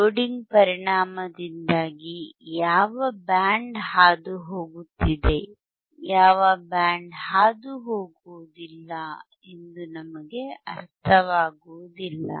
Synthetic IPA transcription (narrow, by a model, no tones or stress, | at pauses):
oːɖiŋɡpɐɾiɳaːmɐd̪ind̪aːɡijaːʋɐbaːɳɖhaːd̪uɦo̞ːɡut̪ːid̪e̞ | jaːʋɐbaːɳɖhaːd̪uɦoːɡuʋud̪ilːɐ | e̞nd̪unɐmɐɡe̞ɐ̰ɾt̪ʰɐʋaːɡuʋud̪ilːɐ̰